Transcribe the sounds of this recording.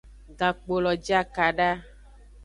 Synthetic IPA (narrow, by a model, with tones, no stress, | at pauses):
d̪a˨k͡po˨lɔ˨d͡ʒi˦a˦ka˨ɖa˦